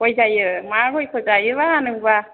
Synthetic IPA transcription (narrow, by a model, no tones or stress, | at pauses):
kojzajɯmaɡɔjkʰɔzajɯβaːnɯŋba